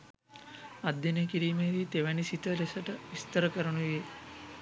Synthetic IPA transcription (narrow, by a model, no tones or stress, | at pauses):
ad̪jenekiɾiːmeɾiːt̪eʋænisit̪əɾesəʈəʋist̪əɾəkəɾənuʋije